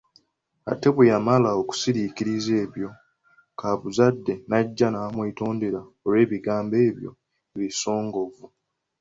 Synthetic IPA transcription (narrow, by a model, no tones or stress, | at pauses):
a̰te̞βejamalaoku̥siɾikiɾize̞ːβjo̞ | kʰaβuzadːe̞naɟːanamwito̞ːndeɾaolwe̞ːβiɡaːmbe̞ːβjo̞̰ | eβiso̞ːŋɡo̞vu